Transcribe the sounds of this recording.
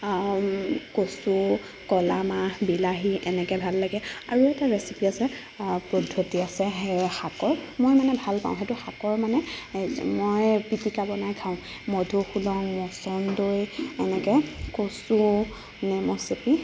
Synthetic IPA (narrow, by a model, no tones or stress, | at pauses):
kosu | kɔlamabilaɦiʔɛnɛkɛbʱalːaɡɛa̰ɹuɛtaɹesipiasɛ | pɔdʱːotiasɛɦxakɔɹmojmanɛbʱalpã̰wʊ̃xetuxakɔɹmanɛ | mojpitikabɔnajkʰaʊ̃ | modʱuxulɔŋmɔsɔndojɛnɛkɛkosu | nɛmɔsepi